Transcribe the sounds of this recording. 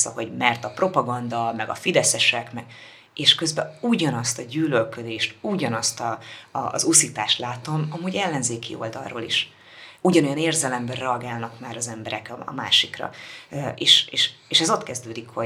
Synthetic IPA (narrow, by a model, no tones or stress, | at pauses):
sɒ̰ho̞ɟmɛrt̪ɒprʔo̞pɒɡɒnd̪ɒmɛɡɒ̰fid̪ɛsɛʃɛkmɛɡ̥ | eːʃkø̞zbɛuːɟɒnɒst̪ɒɟyːlølkød̪eːʃt̪uːɟɒnɒst̪ɒ̰ːzusit̪aːʃt̪laːt̪o̞mɒmuːɟɛlːɛnzeːkḭo̞̰ld̪ɒ̰lro̰ːlḭʃ | uɟɒno̞jɒneːrzɛlɛmbɛrrɛɒɡaːlnɒkmaːɾɒzɛmbɛɾɛkɒ̰ma̰ːʃikrɒ̰ʔeːʃeːʃeːʃɛzo̞t̪kɛzd̪øːd̪ikho